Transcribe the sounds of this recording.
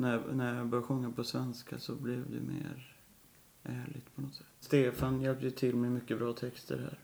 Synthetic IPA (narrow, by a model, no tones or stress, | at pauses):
næjnæɾjɑɡbœɾjɧɵŋːapʰɔsvɛnskʰa̰sɔblɪvd̪ɛ̰mḛːɾ | ʔæːɭɪɡ̚t̪pʰɔnɔt̪sɛt̪ːst̪eːfanjɛlp̚d̪əjɵt̪ʰɪlmɛjmʏkːəbɾɑːt̪ʰɛkst̪ʰə̰ɾhæ̰ːɾ